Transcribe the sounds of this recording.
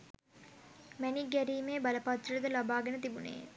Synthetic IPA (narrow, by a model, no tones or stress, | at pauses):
mɛniɡɛɾiːmeːbɐlɐpat̪ːɐlɐd̪əlɐbaːɡenət̪ibunḛː